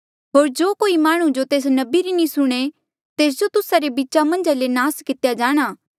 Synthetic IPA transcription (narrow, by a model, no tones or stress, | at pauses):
ɦoːɾd͡ʒoːkoːimaːɽ̃ũd͡ʒot̪eːs̬nɐbiɾinĩsʊɽ̃e | t̪eːs̬d͡ʒot̪ʊsaɾebiːtːʃamɐ̃nd͡ʒalenaːskɪt̪jad͡ʒaːɽ̃aː